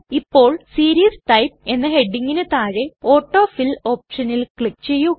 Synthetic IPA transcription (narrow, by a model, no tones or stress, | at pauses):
ipːo̞ːɭsiːɾijɐsʈɐjp̚e̞nːɐɦe̞ɖːiŋɡinet̪aːɻeo̞ːʈːo̞ːfilo̞ːpʂɐnilkɭik̚ːt͡ɕe̞jːu